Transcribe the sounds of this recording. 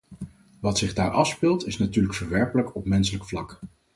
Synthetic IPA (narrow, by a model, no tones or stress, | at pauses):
ʋɑtsɪχdaːɹʔɑfspɪlˠtɪsnatyːɹləkfəɹʋɛɹpələkɔpmɛnsələkflɑk